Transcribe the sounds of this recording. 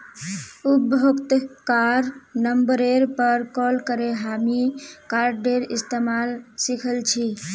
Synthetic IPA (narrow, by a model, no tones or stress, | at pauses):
ubʱokt̪kaɾnəmbəɾeɾpəɾkɔlkəɾeɦamikaɾɖeɾist̪emalsikʰəlt͡ʃʰi